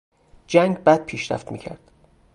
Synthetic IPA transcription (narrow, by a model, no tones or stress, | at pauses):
d͡ʒæŋɡbæd̪̚pʰiːʃɾæ̰ft̪mḭːcʰæ̰ɾd̪̥